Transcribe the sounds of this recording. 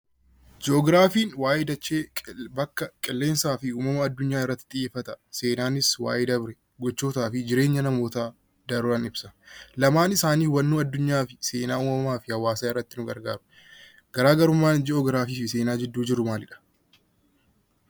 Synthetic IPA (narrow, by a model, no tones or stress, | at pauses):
d͡ʒɛɔɡɾaːfiːnwaːʔɪd̪ɐt͡ʃːeːbɐkːɐkʼɪlːe̞ːnsaːfɪuːmɐmɐːd̪ːʊɲːaːɪrːɐt̪ːɪt̪ʼɪjeːfːɐt̪ɐse̞ːnaːnɪswa̰ːʔɪd̪ɐbɾɛ | ɡɔt͡ʃːo̞ːt̪aːfɪd͡ʒɪɾe̞ːɲːɐnɐmo̞ːt̪a | d̪ɐɾʊɾɐnɪbsɐ̥lɐmaːnɪsaːniːwɐnːuːɐd̪ːʊɲːaːfɪse̞ːnaːuːmɐmaːfɪhɐwːaːsaːɪrːɐt̪ːɪnʊɡɐɾɡa̰ːɾʊ̥ | ɡ̥ɐɾaːɡɐɾʊmːaːd͡ʒɛɔɡɾaːfiːfɪseːnaːd͡ʒɛd̪ːuːd͡ʒɪɾʊmaːlɪᶑɐ̥